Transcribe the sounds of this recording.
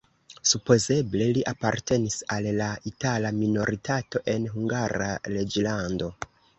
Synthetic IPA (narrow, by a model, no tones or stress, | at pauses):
supo̞ze̞ble̞liʔapaɾte̞nisalːaitalamino̞ɾitʰato̞ʔe̞nɦuŋɡaɾa̰ɾe̞d͡ʒlando̞